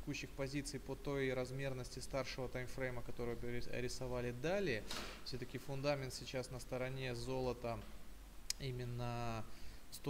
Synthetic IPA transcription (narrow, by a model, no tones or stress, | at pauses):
kuɕːɪxpɐzʲit̪sɨjpət̪o̞jɾɐzmʲe̞rnəsʲtʲɪst̪arʂɨvət̪ajmfɾejməkɐt̪o̞ɾɨjʊɐ̰ɾʲɪsɐvalʲɪd̪alʲɪəfsʲot̪əkʲɪfʊnd̪amʲɪnt̪sʲɪt͡ɕasnəst̪əɾɐnʲe̞zo̞lˠət̪ə | imʲɪnːə | st̪